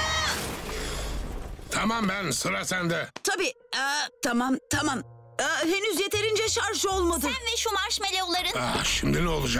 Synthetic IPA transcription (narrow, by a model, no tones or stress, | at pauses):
t̪ʰamambænsɯɾasænd̪ɛt̪ʰabiː | t̪ʰamamt̪ʰamamː | ɦenyzje̞t̪ʰe̞ɾind͡ʒɛʃaɾʒo̞lˠmad̪ɯnvɛʃumaɾʃmelʲeolˠaɾɯnaʃimd̪inɛolˠud͡ʒa